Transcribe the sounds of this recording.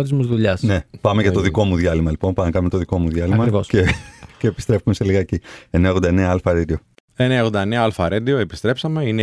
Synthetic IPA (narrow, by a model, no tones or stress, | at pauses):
t̪izmuzðuʎɐsne̞pɐme̞ʝɐt̪o̞ðiko̞muðjɐlimɐlipo̞npɐmkɐmt̪oðiko̞muðʝɐliimɐosceceːpi̥st̪ɾe̞fume̞seliɣɐecieneɣond̪ɐeneɐɐlfɐɾed̪io̞ | eneɐɣond̪ɐeneɐɐlfɐɾed̪ioepi̥st̪ɾe̞psɐme̞ine